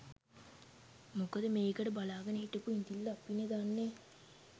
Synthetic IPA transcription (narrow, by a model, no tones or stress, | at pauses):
mukəd̪əmeːkəʈəbalaːɡɐnəiʈəkuind̪ilːaːpːined̪anːe